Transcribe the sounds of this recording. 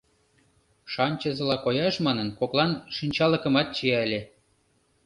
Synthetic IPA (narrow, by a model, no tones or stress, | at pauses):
ʃɑnʲt͡ɕəzɤ̆lɑkojɑʃmɑnənkoklˠɑnʃinʲt͡ɕɑlə̆kə̆mɑt̪̚t͡ɕiæəlʲe